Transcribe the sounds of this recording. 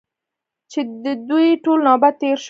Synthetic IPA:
t͡ʃed̪əd̪ujʈolnɑbad̪̚t̪ːeɾʃ

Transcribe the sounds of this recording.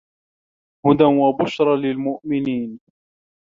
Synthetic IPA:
hʊd̪anwabʊʃɾˤɑlɪlmʊʔmɪniːn

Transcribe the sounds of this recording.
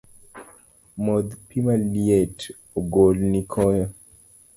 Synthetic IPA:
mod̪pimaliet | oɡolnikʰɔjɔ

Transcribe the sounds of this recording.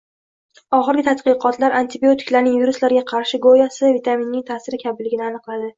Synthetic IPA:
ɒχɨɾɡʲɪt̪ʰat̪qɨqʰɒt̪laɾʔant̪ɪbiot̪ʰɪ̥kʲlaɾnɪŋviɾʊslaɾɡʲaqʰɑɾʃɪɡojasɪvit̪ʰaminːɪŋt̪ʰasɪɾɪkʲʰabɪlːɪɡʲɪnɪanɨqlˠad̪ɪ

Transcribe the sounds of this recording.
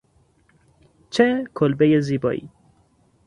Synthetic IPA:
t͡ʃʰekʰolbejeziːbɒ̰ːḭː

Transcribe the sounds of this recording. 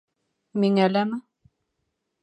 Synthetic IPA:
miŋælæmɘ

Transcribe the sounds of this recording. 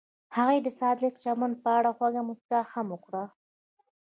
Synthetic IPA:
haɣajd̪əsɑd̪lɪkt͡ʃamand̪̚pəaɽaxwaɡamʊskaxamʊkɽa

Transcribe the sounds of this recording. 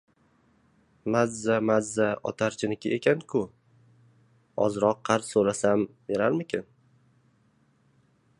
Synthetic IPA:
mazːamazːaɒ̰t̪ʰaɾt͡ʃʰɪnɪkʲʰɪekʲʰankʰʊ | ɒ̰zɾɒqʰːɑɾt̪soɾasambeɾaɾmɪkʲʰɪn

